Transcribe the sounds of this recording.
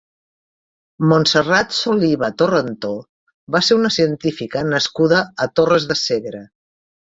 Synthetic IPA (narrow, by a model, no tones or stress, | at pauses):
monsərat̪soliβət̪orənt̪o | βaseɾunəsiənt̪ifikənəskuðəət̪orəzðəseɣɾə